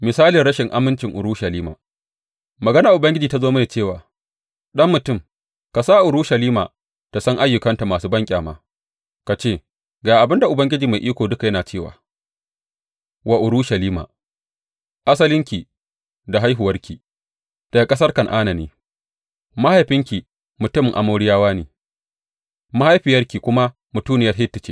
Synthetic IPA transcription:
mɪ˨saː˦lɪ˨ɽɐ˦ʃɪ˨ŋʔa˦mɪ˦nt͡ʃɪ˨ŋʔʊ̰˨ɾuː˦ʃɐ˨liː˦ma̰ː˨ | mɐ˨ɡɐ˦na˨ʔʊ˨bɐ˦ŋɡʲɪ˦d͡ʒiː˨ta˦zoː˦ma˦neː˨t͡ʃeː˦˨waː˨ | ɗɐ˦mːʊ˨tʊ˦˨m | ka˨saː˦ʔʊ˨ɾuː˦ʃɐ˨liː˦ma̰ː˨ | ta˨sɐ˦ŋʔa˦jːʊ˨kɐ˦nta˨maː˨suː˦bɐ˦ŋkʲʼaː˨ma̰ː˦ | ka˨t͡ʃeː˦˨ | ɡaː˨ʔa˨bɪ˦nda˨ʔʊ˨bɐ˦ŋɡʲɪ˦d͡ʒiː˨ma˨jʔiː˦kʷoː˨dʊ˦ka˨jɐ˦naː˨t͡ʃeː˦˨wa̰ː˨ | wa˨ʔʊ˨ɾuː˦ʃɐ˨liː˦ma̰ː˨ | ʔa˦s̬ɐ˦lɪ˦ŋkʲi˨ | da˨ɦa˦jɦʊ˨wɐ˦rkʲiː˨ | d̥a˨a˨kʼɐ˦sɐ˦rkɐ˨ŋʔaː˦na˨nḛː˦ | ma˦ha˦˨jɸɪ˦ŋkʲi˨ | mʊ˨tʊ˦m˨ʔa̰˨moː˦ɽɪ˦jaː˦waː˦neː˨ | ma˦ha˦jɸiː˨jɐ˦rkʲiː˨kʷʊ˦ma˦ | mʊ˨tuː˦nɪ˦jɐ˦rɦɪ˦tːɪ˨t͡ʃḛ˦

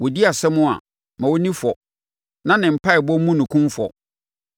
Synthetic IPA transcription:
wɔ˨di˦a˨sɛ˦mʊ̃˦a̰˨ | mã˨wo˦nĩ˦fɔ˨ | nã˦nɪ̃˨m̩˨pʰa˦ɪ˨bɔ˦mũ˦nʊ̃˨kʰũ˦mfɔ̰˨

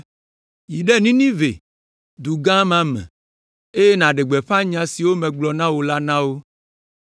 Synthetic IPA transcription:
ji˨ɖɛ˦nĩ˦nĩ˦vḛ˨ | d̪u˨ɡã˦mã˦mɛ̰̃˨ | e˦je˦nã˨ɖe˨ɡ͡bɛ˨ɸa˦ɲã˨si˨wo˦mɛ̃˨ɡ͡blɔ˨nã˦wo˨la˦nã˦wo˦

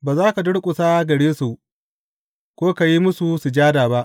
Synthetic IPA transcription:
baː˨zaː˦ka˨dʊ˦ɽkʷʼʊ˨saː˦ɡɐ˨ɽeː˦su˨ | kʷoː˦ka˨ji˦mʊ˦su˨su˨d͡ʒaː˦daː˨ba˦ʔ

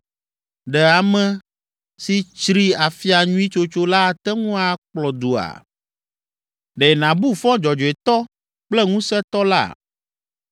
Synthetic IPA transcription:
ɖɛ˨a˨mɛ̃˦ | si˨t͡ʃɾi˦a˨fi˦a˨ɲũ˦i˦t͡ʃo˦t͡ʃo˦la˦˨t̪ɛ˦ŋũ˦a˨k͡plɔ˨d̪u˨a̰˨ | ɖɛ˨nã˨bu˦fɔ̃˦d͡ʒɔ˨d͡ʒɔ˨e˨t̪ɔ˦ | k͡plɛ˦ŋũ˦sɛ˦t̪ɔ˦la̰˦˨

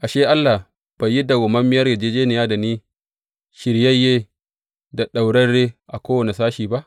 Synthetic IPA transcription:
ʔa˨ʃeː˦ʔa˦lːa˨ | b̥a˨jːi˦da˨ɡʊ˨mɐ˦mːɪ˦jɐ˦rɡɪ˨d͡ʒeː˦d͡ʒeː˦nɪ˨jaː˦da˨niː˦ | ʃɪ˨ɾjɐ˦jeː˦ | da˨ɗa˨wɽɐ˦ɽeː˦ʔa˨kʷoː˦wɐ˨ne˨saː˦ʃiː˨ba˦ʔ

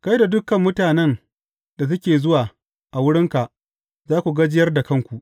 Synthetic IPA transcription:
ka˦jda˨dʊ˦kːɐ˨mːʊ˦taː˨nɛ˦n | da˨t̬ʊ˦kʲeː˨zʊ˦waː˨ | ʔa˨wʊ˦ɽɪ˦ŋka˨ʔ | zaː˦kʷu˨ɡɐ˦d͡ʒɪ˦jɐ˦rda˨kɐ˦˨ŋkʷu˨ʔ

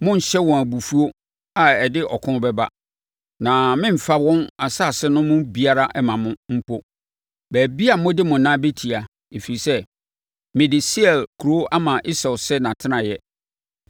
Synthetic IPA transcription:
mʊ̃˦n̩˨ɕɛ˦wɔ̃˨æ˨bu˨fu˦o˦ | a˨ɛ˨dɪ˦ʔɔ˨kʰʊ̃˦bɛ˦ba̰˦ | nã˨mɪ̃˦m̩˨fa˦wɔ̃˦na˨sa˦˨sɪ˦nʊ̃˦mʊ̃˦bi˦a˦ɾa˦ʔɛ˦mã˨mʊ̃˦m̩˦pʰo˦ | bæː˨bi˦a˨mʊ̃˦dɪ˦mʊ̃˨nãː˦be˦tʰi˨a˨ | e˨fi˨i˨sɛ˦ | mɪ̃˨dɪ˨si˦ɛ˨lkʰu˨ɾo˦ʔa˦mã˨ʔi˦sɛ˨lsɛ˦nã˨tʰɪ̃˦nã˨jɛ˦

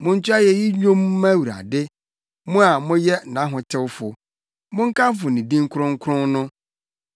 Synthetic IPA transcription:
mʊ̃˦ɲ̩˦t͡ɕu˦a˦jɛ˨ji˦ɲᶣõ˦m˦mã˦wu˨ɾa̰˨dɪ˦ | mʊ̃˦a˨mʊ̃˦jɛ˦˨nã˨˦ɦʊ̃˨tʰɪ˦wfʊ˨ | mʊ̃˦ŋ̩˦kʰã˦m˦f̬ʊ˨nĩ˨dĩ˦ŋ̩˦kʰʊ˦ɾʊ̃˦ŋ̩˦kʰʊ˦ɾʊ̃˦nnʊ̃˦

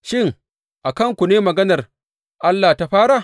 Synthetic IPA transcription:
ʃɪ˦ŋ | ʔa˨kɐ˦ŋkʷu˨neː˦mɐ˨ɡɐ˦nɐ˨r | ʔa˦lːaː˨ta˦ɸaː˦ɾa˨

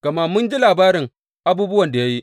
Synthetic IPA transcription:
ka˨ma˦mʊ˦nd͡ʒi˦laː˨baː˦ɾɪ˨ŋ | ʔa˦buː˦bʊ˦wɐ˨nda˨ja˦ji˦

